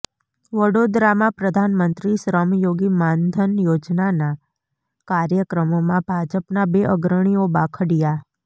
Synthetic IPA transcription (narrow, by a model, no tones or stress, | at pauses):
ʋəɽod̪ɾamãpɾəd̪ʱanmənt̪ɾiʃɾəmjoɡimãnd̪ʱənjod͡ʒnana | kaɾjəkɾəmomãbʱad͡ʒəpnabeʔəɡɾəɳ̃iobakʰəɽija